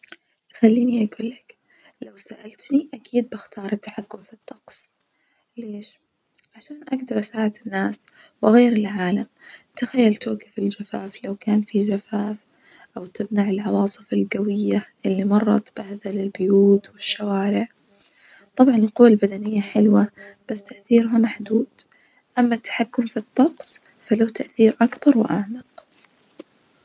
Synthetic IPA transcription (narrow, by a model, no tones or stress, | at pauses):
xalːiːniʔaɡuːlːak | lawsaʔalt̪niʔakʰiːd̪̚bɪxt̪ɑːɾˤɪt̪ːaħakːʊmfit̪ːɑqsˤ | leːʃ | ʕaʃaːnʔaɡd̪ɑɾˤsaːʕat̪ɪnːaːswɪɣejːɾɪlʕaːlamt̪axajːalt̪oːɡafɪld͡ʒafaːflawkaːnfid͡ʒafaːf | ʔawt̪ɪbnaʕɪlʕɑwɑːsˤɨfalɡawɪjːaʔɪlːimɑrˤːɑ̰t̪b̥ahðalɪlbʊjuːt̪wɪʃːawaːɾɪʕ | t̪ˤɑbʕɑnɪlqʊwːalbad̪anɪjːaħɪlwab̥asːt̪aʔθiːɾʊɦamaħd̪uːd̪̥ | ʔamːat̪ːḁħakːʊmfit̪ˤːɑqsˤ | falaːt̪aʔθiːɾʔakbɑɾˤwɪ̰ʔaʕmaq